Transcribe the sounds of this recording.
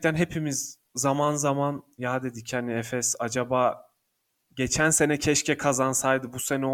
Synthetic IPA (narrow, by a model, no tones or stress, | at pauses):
t̪ʰænɦe̞pʰimiz | zamanzamanjaːd̪e̞d̪icʰhaniɛfɛsad͡ʒabaː | ɟe̞t͡ʃʰænse̞nɛcʰɛʃcʰɛkʰazansajd̪ɯbuse̞nɛo